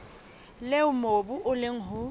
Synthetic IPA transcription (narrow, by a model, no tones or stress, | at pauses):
leʊmobuʔʊleŋ̩ɦʊ